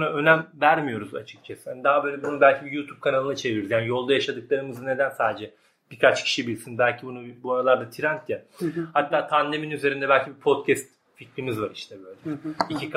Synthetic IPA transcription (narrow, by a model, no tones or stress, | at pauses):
unaø̞næmvæɾmijo̞ɾuza̰t͡ʃʰɯ̥k̚t͡ʃʰasɯd̪aɦabøjlʲɛbunubælʲcʰibijuːt̪ʰuːb̚kʰanalˠɯnat͡ʃʰe̞vioɾuzjaːnijo̞lˠd̪ajaʃad̪ɯklˠaɾɯmɯzɯne̞d̪ænsaːd̪ed͡ʒɛ | b̥ikʰat͡ʃcʰi̥ʃibilʲsinbælʲcʰibunubuaɾalˠaɾd̪at̪ʰiɾant̪ʰjɛhat̪ʰːaːt̪ʰand̪e̞minyze̞ɾind̪ɛbælʲcʰibipʰo̞t̪cʰɛst̪ | ficɾimizvaɾiʃt̪ʰɛbøːlʲɛicʰik